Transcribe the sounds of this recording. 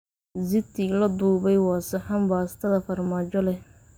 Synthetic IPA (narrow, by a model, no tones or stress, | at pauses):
zɪt̪ʰilɐd̪uːβɛjwɑːsɪħambaːst̪ʰɐðɐfɐrmaːt͡ʃɔlɛ